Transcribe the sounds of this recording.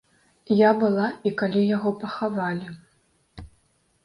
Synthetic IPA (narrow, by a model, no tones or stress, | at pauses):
jabɨlˠaikalʲijaɣɔpɐxavalʲi